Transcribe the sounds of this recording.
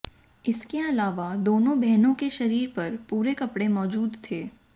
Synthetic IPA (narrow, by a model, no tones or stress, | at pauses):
ɪskeɐlaːʋad̪oːnõbʱɛɦnõkeʃɐɾiːɾpɐɾpuːɾekɐpɽemɔːd͡ʒuːd̪t̪ʰeː